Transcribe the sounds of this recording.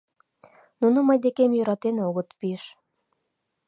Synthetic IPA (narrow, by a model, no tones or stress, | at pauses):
nunəməjd̪ekemjøɾɑt̪enoɣət̪pieʃ